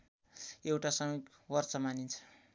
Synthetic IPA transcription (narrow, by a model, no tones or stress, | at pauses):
ewʈasʌŋʌk | wʌrt͡sʌmanint͡sʰʌ̥